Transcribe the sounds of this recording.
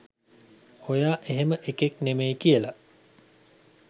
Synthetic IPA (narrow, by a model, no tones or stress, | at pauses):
ojaːʔeɦeməʔekeknemejkiəlɐ